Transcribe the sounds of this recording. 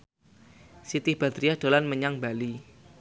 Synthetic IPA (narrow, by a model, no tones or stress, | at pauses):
sit̪ihb̥a̤d̪ɾijad̥o̤lanməɲaŋbali